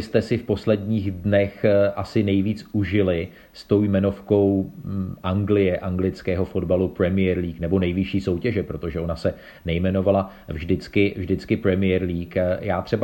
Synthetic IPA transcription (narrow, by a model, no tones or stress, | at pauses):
ɪst̪ɛsɪfpo̞slɛdɲiːɣdnɛxʔasɪnɛjviːt͡suʒɪlɪ | st̪o̞wjmɛno̞fko̞wʔaŋɡlɪjɛʔaŋɡlɪt͡skɛːɦo̞fo̞dbalupɾɛmɪjɛɾliːknɛbo̞nɛjvɪʃiːso̞wcɛʒɛpɾo̞t̪o̞ʒɛʔo̞nasɛ | nɛjmɛno̞vala | vʒdɪt͡skɪvʒdɪt͡skɪpɾɛmɪjɛɾliːkjaːt̪r̥ɛba